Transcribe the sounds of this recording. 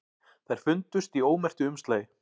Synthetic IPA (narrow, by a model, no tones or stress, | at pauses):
θajɾ̥fʏnt̪ʏst̪ioːwmɛr̥t̪ʏʏmst̪leːj